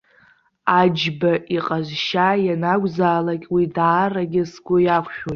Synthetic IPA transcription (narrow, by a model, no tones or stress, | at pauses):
ad͡ʒbaʔiqʼazʃajanaɡʷʼzaːlakʲʼwidaːraɡʲɪsɡʷʊjakʷʰʃᶣotʼ